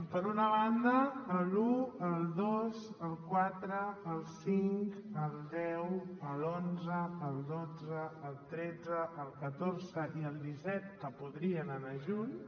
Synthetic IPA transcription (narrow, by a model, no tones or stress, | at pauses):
pəɾunəβand̪əːluəlˠd̪ozəlˠkwat̪ɾəːlˠsiŋkəlˠd̪ɛwəlˠonzəəlˠd̪od͡zəːlˠt̪ɾɛd͡zəəlˠkət̪orzəʔiəlˠd̪isɛt̪̚kəpuðɾiənanaʒuɲ